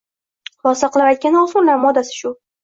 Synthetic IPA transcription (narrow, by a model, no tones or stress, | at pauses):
lˠɒsaqlˠapajt̪̚kʲanɒsʊnlaɾmɒd̪asɪ̥ʃʊ